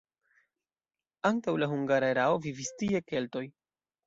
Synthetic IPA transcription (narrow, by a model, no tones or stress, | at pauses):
aŋtawlaɦuŋɡaɾaeɾao̞vivistie̞ke̞lto̞j